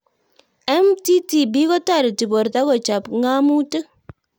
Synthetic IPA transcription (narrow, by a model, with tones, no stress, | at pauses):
ɛ˦mti˦ti˨bi˦kɔ˦ta˦˨ɾi˨ti˨bo˨ɾt̪a˦kɔ˨t͡ʃa˨pŋa˦mu˦tə˦